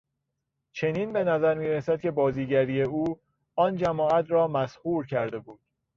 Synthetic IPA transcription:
t͡ʃʰe̞niːnbe̞næzæɾmiːɾesæd̪̥̚cʰe̞bɒːziːɟæɾiːeuː | ɒːnd͡ʒæmɒːæt̪ʰɾɒːmæshuːɾcʰæɾd̪e̞buːd̪̥̚

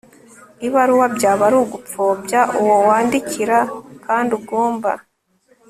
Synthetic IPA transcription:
iβaɾuwabɟaːβaɾuɡup͡fobjaʔuwowaːndiciɾakaːndubɡo̞ːmba̰

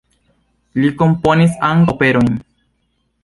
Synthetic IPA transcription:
liko̞mponisaŋɡope̞ɾo̞jn

